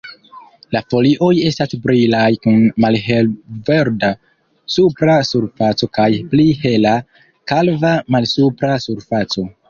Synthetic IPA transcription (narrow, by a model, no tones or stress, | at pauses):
lafo̞liʔo̞je̞stasbɾilajkunmalɦelve̞ɾda | supɾasuɾfat͡so̞kajplihe̞la | kalvamalsupɾasuɾfat͡so̞